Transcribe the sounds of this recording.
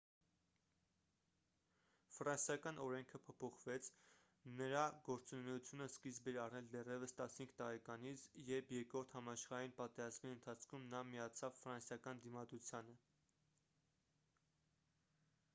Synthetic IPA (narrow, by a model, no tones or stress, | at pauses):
fərɑnsjɑkɑnɔɾɛŋkʰəpʰɔpʰɔχvɛt͡sʰ | nəɾɑɡɔɾt͡sunɛjut͡sʰjunəskizbɛɾɑrnɛld̪ɛrjɛvəst̪ɑshiŋkʰt̪ɑɾɛkɑnit͡sʰjɛɾpʰjɛɾkɾɔɾt̪ʰhɑmɑʃχɑɾɑinpɑt̪ɛɾɑzmiənt̪ʰɑt͡sʰkʰumnɑmijɑt͡sʰɑvfəɾɑnsjɑkɑnd̪imɑd̪ɾut͡sʰjɑnə